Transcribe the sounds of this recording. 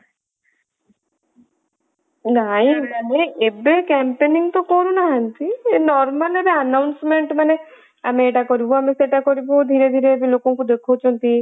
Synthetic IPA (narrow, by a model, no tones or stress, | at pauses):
naĩmaneebekɛmpeniŋɡt̪ɔkɔɾunaɦant̪inɔɾməlebeənawnsmeɳʈmane | a̰meːʈakɔɾibɔameseʈakɔɾibod̪ʱiɾed̪ʱiɾeːbilokɔ̃ŋkud̪ekʰot͡ʃʰɔnt̪i